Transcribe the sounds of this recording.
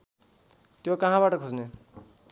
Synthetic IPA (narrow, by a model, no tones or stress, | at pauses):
t̪jokʌɦãbaʈʌkʰod͡zne